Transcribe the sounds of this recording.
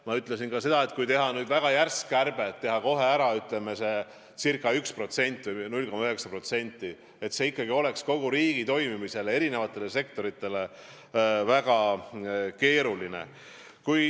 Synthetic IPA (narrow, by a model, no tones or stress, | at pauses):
mɑyt̪ˑle̞sinkɑse̞d̪̥ɑe̞t̪̚kujt̪e̞ɦɑnyːd̪væɡ̥ɑjærskærb̥e̞t̪ːe̞ɦɑko̞ɦe̞æɾɑyt̪lemese̞ | sirkːˑɑykspro̞t̪se̞nʲt̪ːˑvɨjnulʲko̞mɑøɦe̞ksɑpro̞t̪se̞nʲt̪ːˑi | et̪se̞ikːɑɡ̥io̞le̞ksko̞ɡ̥uɾiːɡ̥it̪o̞jmimise̞lee̞ɾine̞vɑt̪ːˑe̞le̞se̞k̚t̪o̞ɾit̪ːˑe̞le̞ | væɡ̥ɑ | ke̞ːɾuline̞̰ | kuj